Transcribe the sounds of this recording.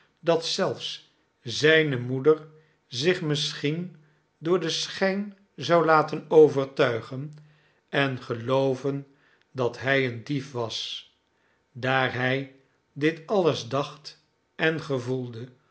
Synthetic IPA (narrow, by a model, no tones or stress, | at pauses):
dɑtsɛlˠfs | zɛjnəmudəɹ | zɪχmɪsχin | dʊːɹdəsχɛjn | zɑwlaːtənowvəɹtœɥχən | ɛnχəlowvən | dɑtɦɛjəndifʋɑs | daːɹɦɛj | dɪtɑləzdɑχt | ʔɛnχəvulˠdə